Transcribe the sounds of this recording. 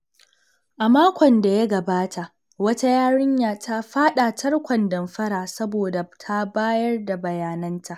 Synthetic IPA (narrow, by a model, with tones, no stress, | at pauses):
ʔa˨maː˦kʷɔ˨nda˨ja˦ɡɐ˨baː˦tʰa˨ʔ | wɐ˦ta˦jaː˦ɽɪ˦ɲjaː˨tʰa˦ɸaː˦ɗa˨tʰɐ˦rkʷɐ˨ndɐ˨mɸɐ˦ɽaː˨sɐ˦boː˨da˨tʰa˦baː˦jɐ˦rda˨bɐ˨jaː˨nɐ˦ntʰa˨ʔ